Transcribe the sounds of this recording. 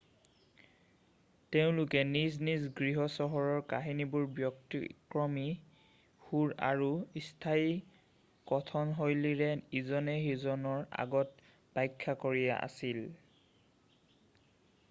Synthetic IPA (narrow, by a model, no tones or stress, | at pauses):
teʊ̃lʊkɛniznizɡɹiɦɔsɔɦɔɹɔɹkaɦinibuɹbjɔktḭkɹɔmi | xuɹa̰ɹuistʰai | kɔtʰɔnɦojliɹɛizɔnɛɦjuzɔnɔɹa̰ɡɔt̚ | pajkʰːakoɹija̰ʔa̰sil